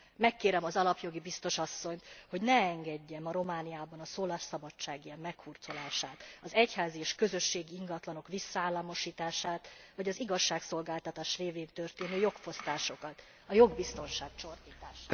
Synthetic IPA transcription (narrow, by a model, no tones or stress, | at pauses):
mɛkːeːɾɛmɒzɒlɒpjo̞ɡibist̪o̞ʃɒsːo̞ɲt̪ho̞ɟnɛɛŋɡɛɟːɛmɒɾo̞maːnijaːbɒnɒsoːlaːʃsɒbɒt͡ʃːaːɡijɛmmɛkhuːrt̪so̞laːʃaːt̪ɒzɛchaːziːʃkø̞zø̞ʃːeːɡiiŋɡɒt̪lɒno̞kʋisːɒaːlːɒmo̞ʃiːt̪aːʃaːt̪vɒɟɒziɡɒʃːaːkso̞lɡaːlt̪ɒt̪aːʃreːveːnt̪ø̞rt̪eːnyjo̞kfo̞st̪aːʃo̞kɒt̪ | ɒjo̞ɡbist̪o̞nʃaːk̚t͡ʃo̞rt̪iːt̪aːʃ